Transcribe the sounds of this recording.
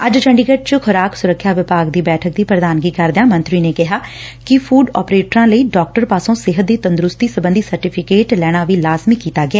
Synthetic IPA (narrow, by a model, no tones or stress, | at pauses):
əd͡ʒt͡ʃʰəɳɖiːɡəʈ̚t͡ʃəkʰʊɾaːksʊɾəkʰːjaːʋɪpaːɡd̪iːbɛːʈʰək̚d̪iːpɾəd̪aːnɡiːkəɾd̪eãːmə̃nt̪ɾiːneːkɪɦaːkɪpʰuːɖɔ̰ːpɾeːʈɾãːləiːɖɔːk̚ʈəɾpaːsõːsɪɦət̪̚d̪iːt̪ə̃nd̪ɾʊst̪iːsəbənd̪iːsəɾʈiːpʰɪkeːʈlɛːɽ̃aːʋiːlaːzmɪkːiːt̪aːɡɪɛː